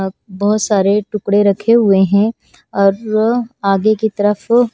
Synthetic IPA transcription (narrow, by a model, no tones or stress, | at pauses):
bɔɦʊt̪saːɾeʈʊkɽeɾɐkʰeɦʊeɦɛ̃ | ɔːɾaːɡekit̪ɐɾəf